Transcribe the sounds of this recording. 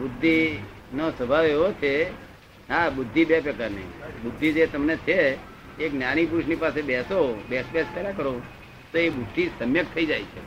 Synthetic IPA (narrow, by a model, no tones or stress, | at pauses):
bʊd̪ʱːi | nosəbʱaʋeʋot͡ʃʰe | ɦabʊd̪ʱːibepɾəkaɾnḭbʊd̪ʱːid͡ʒet̪əmnet͡ʃʰeː | knjaɽ̃ip̬uɾʊʃnipasebɛsobesbɛskəɾakəɾo | t̪oebʊʈʰːisəmjək̚t̪ʰəid͡ʒajt͡ʃʰe